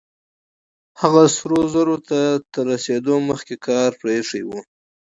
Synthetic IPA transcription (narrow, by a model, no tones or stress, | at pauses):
haɣasɾozaɾot̪at̪əɾased̪oməxkekʰɑɾpɾeʂiwu